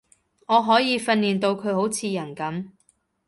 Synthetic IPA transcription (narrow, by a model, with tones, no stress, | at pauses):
ŋɔː˨˧ɦɔː˨˥jiː˧fɐ˧nːiː˨˩nt̪o˧wkʰɵ˨˧ɥho˨˥wt͡sʰiː˨˧jɐ˨˩nkɐ˨˥m